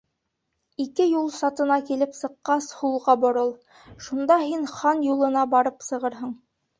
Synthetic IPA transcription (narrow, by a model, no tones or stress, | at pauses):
ikɘjulˠsɑt̪ɤ̆nɑkilɘpsɤ̆qːɑshulˠʁɑbŏɾɤlˠ | ʃund̪ɑɦinχɑnjulˠɤ̆nɑbɑɾɤpsɤ̆ʁɤɾɦɤɴ